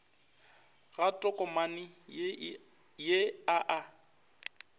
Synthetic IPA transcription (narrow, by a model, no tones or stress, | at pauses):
ɣatʼɔkʼɔmanɪ | jeaʔa